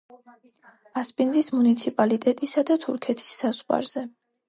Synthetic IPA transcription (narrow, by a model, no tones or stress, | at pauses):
aspʼinzismunit̪sʰipʼalit̪ʼɛt̪ʼisad̪at̪ʰuɾkʰɛt̪ʰi̥sːazʁʼwa̰ɾz̥ɛ